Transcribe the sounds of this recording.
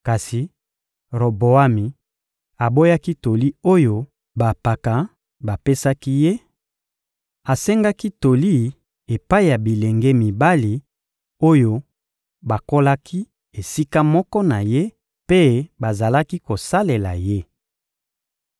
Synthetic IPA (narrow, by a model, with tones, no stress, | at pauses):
ka˨si˨ | ʁo˨bo˨a˦mi˨ | a˨bo˦ja˦ki˦to˨li˦o˦jo˦ | ba˨pa˨ka˨ | ba˨pe˦sa˦ki˦je˦ | a˨sɛ˦ŋɡa˦ki˦to˨li˦ | e˨pa˦i˨ja˨bi˨le˨ŋɡe˦mi˨ba˦li˨ | o˦jo˦ | ba˨ko˦la˦kʰi˦ | e˨si˦ka˦mɔ˦kɔ˦na˨je˦ | pe˦ba˨za˨la˦ki˦ko˨sa˦le˨la̰˨je˦